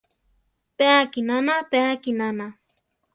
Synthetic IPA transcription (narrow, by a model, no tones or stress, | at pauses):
peːkinanapeːkinana